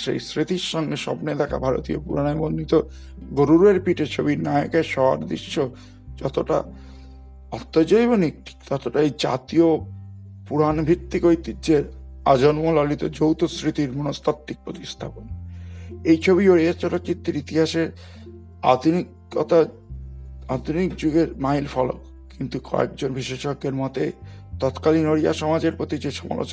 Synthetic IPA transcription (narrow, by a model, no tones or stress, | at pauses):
ʃḛjsɾit̪iɾʃɔŋɡeʃɔ̰pned̪ʰʱaka̰bʱaɾo̰t̪io̰puɾanaebonnːit̪o | ɡoɾuɾueɾpiʈet͡ɕʰobiɾnajokaʃɔɦa̰ɾd̪ɾḭʃːo | d͡ʑɔt̪oʈa̰ | ɔt̪ːod͡ʑojboniʈʰi̥kt̪ɔt̪oʈaejd͡ʑa̰t̪io | puɾanbʱit̪ːikojt̪id͡ʑeɾad͡ʑonmolɔlit̪od͡ʑowt̪osɾit̪iɾmunost̪ʰat̪ːik̚pɾot̪ist̪ʰapon | ejt͡ɕʰoβioɾiat͡ɕɔnokit̪ːiɾit̪iɦaʃeɾ | a̰d̪ʱunikː | ɔ̰t̪a | ad̪ʱunikd͡ʑuɡeɾmailfɔlo̰k | kint̪ukɔ̰ḛk̚d͡ʑonbʱiʃeʃoɡːeɾmɔt̪et̪ɔt̪kalinoɽija̰ʃɔmad͡ʑeɾpɾot̪id͡ʑeʃɔma̰lo̰t͡ɕ